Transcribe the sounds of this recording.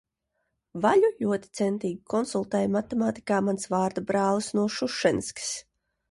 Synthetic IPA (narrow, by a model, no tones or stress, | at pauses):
vaʎuʎuɔt̪i̥t̪sɛnt̪iːɡikɔnsulˠt̪ɛːjmat̪emaːt̪i̥kaːmansvaːɾd̪abɾɑːlˠisnuɔʃuʃɛnskʲi̥s